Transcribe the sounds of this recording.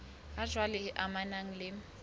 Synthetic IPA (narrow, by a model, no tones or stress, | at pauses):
ḁʒ̥ʱwalɛɪʔamanaŋ̩lɪ